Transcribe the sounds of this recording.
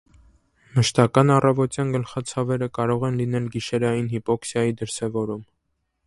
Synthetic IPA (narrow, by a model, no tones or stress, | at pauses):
məʃt̪ɑkɑnɑrɑvɔt̪jɑnɡəlχɑt͡sʰɑvɛɾəkɑɾɔʁɛnlin̪ɛlɡiʃɛɾɑjinɦipɔksjɑjid̪əɾsɛvɔɾum